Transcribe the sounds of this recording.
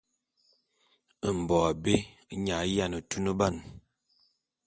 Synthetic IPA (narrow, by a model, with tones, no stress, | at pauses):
ə˨m̩˨bɔ˨a˨be˦ | ɲa˨˦ja˦˨nə˨tu˦nə˦ba˦˨n